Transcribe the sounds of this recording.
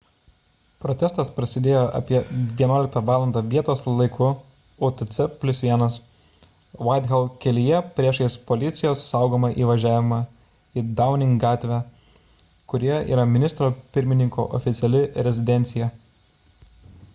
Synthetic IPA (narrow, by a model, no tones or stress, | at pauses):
pɾoːt̪ʲɛst̪ɐspɾɐsʲɪd̪ʲeːjoːʔɐ̰pʲiɛʋʲiɛnuːlʲɪk̚t̪ɐʋɑːlˠɐnd̪ɑʋʲiɛt̪oːslˠɐɪkʊ | ot̪ɛt̪sʲɛpʲlʲʊsʋʲiɛnɐs | ʋɐd̪ʲɣʲɛlˠkʲɛlʲɪjɛpʲɾʲiɛʃjɛspɔlʲɪt̪sʲɪjoːssɑˑʊɡoːmɐʔiːʋɐʒʲæːʋʲɪmɐ | id̪ɑˑʊnʲɪŋɡɑːt̪ʲʋʲæ | kʊɾʲɪjɛʔḭːɾɐmʲɪnʲɪst̪ɾoːpʲɪɾʲmʲɪnʲɪŋkoːʔɔ̰fʲɪt̪sʲɛlʲɪɾʲɛzʲɪd̪ʲɛnʲt̪sʲɪjɛ